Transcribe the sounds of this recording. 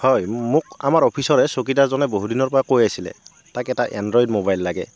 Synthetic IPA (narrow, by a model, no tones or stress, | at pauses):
hɔjmʊk̚a̰maɹɔpʰisɔɹɛsok̬itazɔnɛboɦudinɔɹpɔɹakojasilɛ̰ | takɛtaʔandɹɔjdmobajlːaɡɛ̰